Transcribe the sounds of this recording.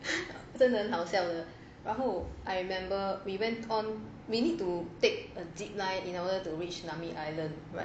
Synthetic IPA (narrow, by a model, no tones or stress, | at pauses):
sə̃nə̃nɦawsɛlə | ɹaɦoʔajɹimɛ̃mbəwiwɛ̃ntʰɔ̃n | winid̚tutek̚ədip̚laɪtĩnɔdətuɹit͡ʃnamiʔajlə̃nd | ɹa̰t̚